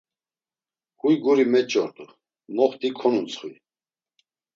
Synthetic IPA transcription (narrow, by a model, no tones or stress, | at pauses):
hujɡuɾimɛt͡ʃʼɔɾt̪ʼu | mɔχt̪ikʰɔnunt͡sʰχi